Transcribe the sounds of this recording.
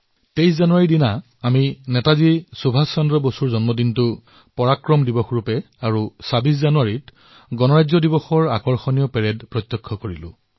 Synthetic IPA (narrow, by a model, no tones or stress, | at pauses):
tejszanuaɹidinaː | minɛtazisubʱasandɹɔbosuɹzɔnmɔdintʊ | pɔɹakɹɔmdibɔxɹupɛ | aɹusabiszanuaɹit | ɡɔnɔɹajzɔdibɔxɔɹakɔɹxɔnijɔpɛɹɛdpɹɔt̪jɔkʰːɔkoɹilʊ̰̃